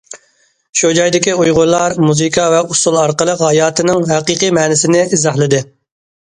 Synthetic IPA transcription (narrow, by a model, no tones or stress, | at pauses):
ʃud͡ʒɑjd̪ɪkʲiujʁʊɾlˠɑɾmuzɨkʰɑvɛusulˠɑɾqəlˠəqhɑjɑːt̪ʰɪnɪŋɦɛqiqimɛːnɪsɪnɪizɑhlˠɨd̪ɨ